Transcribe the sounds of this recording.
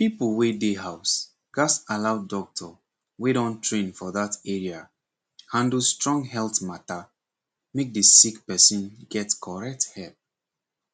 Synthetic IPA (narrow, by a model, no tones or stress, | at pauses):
pipəl̩wedeɦaʊs | ɡ̥astalaʊdɔk̚tʰɔ | weɾɔ̃ntʰɹẽnfɔðatɛɹia | hãndustɹɔ̃ŋɦɛltmata | mek̚disikpɛsĩnɡɛtkʰɔɹɛk̚thɛlp̚